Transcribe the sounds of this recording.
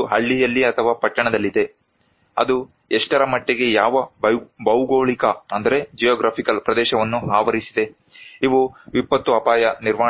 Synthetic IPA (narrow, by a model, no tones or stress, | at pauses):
ɦɐɭːijɐlːiɐt̪ʰɐʋaːpɐʈːɐɳɐd̪ɐlːid̪e̞ | ɐ̰d̪u | eʂʈɐɾɐmɐʈːeɡe̞jaːʋɐbbɐwɡoːɭikɐɐnd̪ɐɾe̞d͡ʒijaːɡɾaːpʰikɐlpɾɐd̪ɛːʃɐʋɐnːuɦaːʋɐɾisid̪e̞ | iʋuʋipːɐt̪ːuɐpaːjɐniɾʋaː